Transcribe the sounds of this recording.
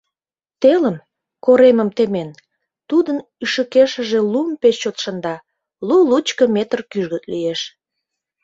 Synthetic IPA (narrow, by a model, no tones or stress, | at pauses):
t̪eləm | koɾeməmt̪emen | t̪ud̪ən | yʃəkeʃə̆ʒe̽lumpet͡ɕt͡ɕot̪ʃənd̪ɑ | lulut͡ɕkəmet̪ərkyʒɣət̪̚lijeʃ